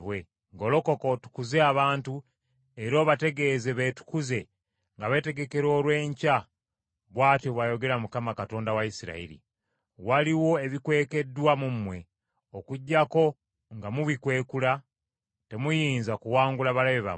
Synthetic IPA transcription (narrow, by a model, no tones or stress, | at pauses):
βwe | ŋɡo̞lo̞ko̞ko̞tu̥kuze̞aβaːntu | eɾo̞ːβate̞ɡe̞ze̞βetu̥kuze̞ | ŋɡaβe̞te̞ɡe̞ke̞ɾo̞ːlwe̞ːɲca | βwaːtjoβwajo̞ɡe̞ɾamukamakato̞ːndawaisiɾa̰ḭɾḭ | waliwo̞e̞βikwe̞ːke̞dːwamumwe̞ | okuɟːako̞ | ŋɡamuβikwe̞ːkula | te̞mujiːnzakuwaːŋɡulaβalaβeβa̰